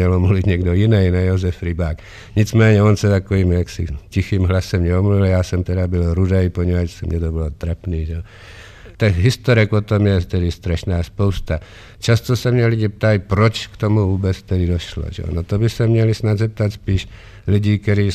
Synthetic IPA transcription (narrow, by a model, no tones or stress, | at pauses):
ɛlɔmluʋid̪ɲɛɡd̪ɔinɛjnajɔzɛfɾibaːk | ɲid͡zmɛːɲɛɔnsat̪akɔʋiːmjaksḭcixiːmɦlasɛmɲɛɔmluʋiljaːsɔmt̪ɛdabilɾud̪ɛjpɔɲɛʋat͡ʃsmɲɛt̪ɔbɔlɔt̪ɾɛpniːʒɛ | t̪axɦist̪ɔɾɛkpɔt̪ɔmjɛt̪ɛd̪ist̪ɾɛʃnaːspɔʊst̪a | t͡ʃast̪ɔsamɲɛliɟɛp̚t̪aipɾɔt͡ʃkt̪omuʋuːbɛt͡st̪ɛdid̪ɔʃlɔ̰ʒɛ̰nɔt̪ɔbisamɲɛlisnaɟzɛp̚t̪acspiːʃ | luɟiːkɛɾiː